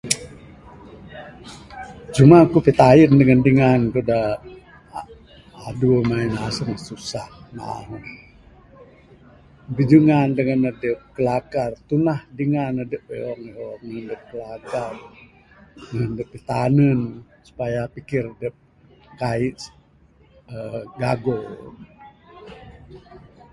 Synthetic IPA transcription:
t͡ʃumakupit̪ajəndəŋəndiŋankuda | adumainasəŋsusahma̰ɦə | bid͡ʒuŋandəŋənədəp̚kəlakart̪unahdiŋanːədəpəɔŋiɔəəndəp̚kəlakar | əŋəndəpːit̪anən | su̥pajapikɪrdəp̚ | kaiʔ | əɡaɡo

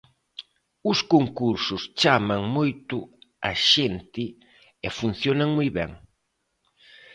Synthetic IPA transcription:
ʊskoŋkuɾsʊst͡ʃamaŋmojt̪ʊaʃent̪ɪ | ɛfun̟θjonaŋmojβɛ̰ŋ

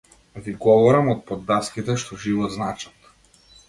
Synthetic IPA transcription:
viɡɔvɔɾamɔt̪̚pɔd̪ːaskit̪ɛʃt̪ɔʒivɔd̪znat͡ʃḁt̪

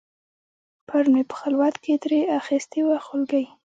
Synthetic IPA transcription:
pʰaɾmepə̥xalwat̪ked̪ɾeaxist̪iwaxʊlɡaj

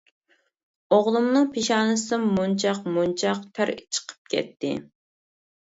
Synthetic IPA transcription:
oʁlˠumnɨŋpʰeʃɑːnɨsɨmunt͡ʃʰɑqmunt͡ʃʰɑqt̪ʰæɾit͡ʃʰə̥qʰə̥p̚kʲʰɛ̰t̪ːɪ̰

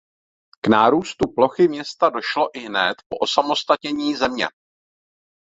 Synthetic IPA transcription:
knaːɾuːst̪uplo̞xɪmɲɛst̪ado̞ʃlo̞ʔɪɦnɛt̪po̞ʔosamo̞st̪at̪ɲɛɲiːzɛmɲɛ̰

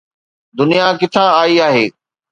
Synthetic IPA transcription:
d̪ʊnijakɪt̪ʰãaːiaːɦeː

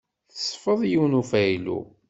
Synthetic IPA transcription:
θəsˤfəðˤjiwnufæjlṵ

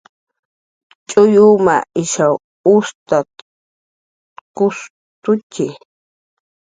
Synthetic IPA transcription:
t͡ʃʼʊjuma̰ʔɪʃaw | ʊst̪a | kʊs | t̪ʊt͡ʃɪ

